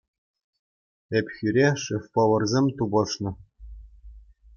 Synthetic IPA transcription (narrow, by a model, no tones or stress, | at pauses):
ĕpʲxʲyɾʲeʂɘfʲpŏʋɤ̆rzʲemʲt̪ubɤ̆ʂnɤ̆